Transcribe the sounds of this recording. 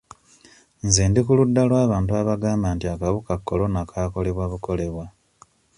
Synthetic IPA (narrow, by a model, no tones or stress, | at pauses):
nzeːndikuludːalwaːβaːntuaβaɡaːmbantiakaβukakːo̞lo̞nakʰaːko̞le̞βwaβuko̞le̞βwa